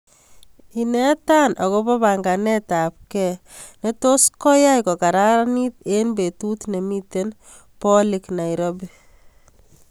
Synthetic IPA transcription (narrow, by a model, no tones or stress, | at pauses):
inɛtanʔɔkobɔβaŋɡanɛtap̚kɛ | netoskɔjajkɔkaɾaanitenbetutnemiten | pɔliknajɾobi